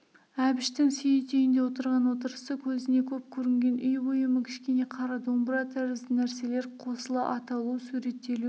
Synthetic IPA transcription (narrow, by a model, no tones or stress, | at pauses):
æbɪʃt̪ɪŋsʏjɪt̪ʰejɪnd̪e̞wot̪əɾʁɑnwo̞t̪əɾəsəkʲʰɵzɪne̞kʲʰɵp̚kʲʰɵɾɪŋɡʲe̞nʔʏjbojəməkʲʰɪ̥ʃkʲe̞ne̞qʰɑɾɑd̪o̞mbəɾɑt̪ʰæɾɪzd̪ɪnæɾse̞le̞ɾqʰo̞səlˠɑʔɑt̪ɑlˠusuɾe̞t̪ːe̞lu